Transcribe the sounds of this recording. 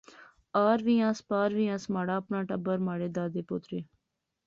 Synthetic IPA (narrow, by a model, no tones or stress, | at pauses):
aːɾʋiːãːspaːɾʋiːãːsmaːɽaːəpnaːʈəbəɾmaːɽeːd̪aːd̪eːpʊt̪ɾeː